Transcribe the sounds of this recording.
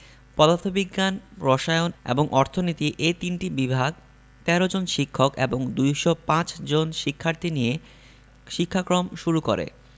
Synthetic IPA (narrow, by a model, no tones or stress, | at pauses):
pɔd̪at̪ʰobiɡːanɾɔʃaeonḛboŋʔɔɾt̪ʰonit̪iʔet̪inʈibibʱaɡ | t̪ɛɾod͡ʑonʃikʰːokeboŋd̪ujʃopãt͡ɕd͡ʑonʃikʰːaɾt̪ʰinije | ʃikʰːakɾomʃuɾuko̰ɾḛ